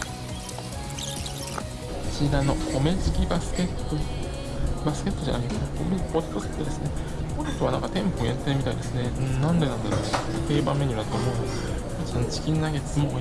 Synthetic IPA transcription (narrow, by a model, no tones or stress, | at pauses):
ɕid̪ano̞kʰo̞met͡si̥kʲibasket̪ːo | basɨ̥kʲe̞t̪ːod͡ʑa̰naket̪ak̪omekoɾt̪osɨ̥t̪ːed̪e̞sɨne | koɾet̪oβanãŋkat̪ẽ̞mpoent̪ːemʲit̪aḭd̪e̞sɨnẽnãnd̪e̞nãnd̪ad̪eɕit̪e̞ːbãmːe̞ɲ̟iβat̪o̞ːmo̞ːno | ot͡ɕãnt͡ɕi̥kʲinnaɡet̪mo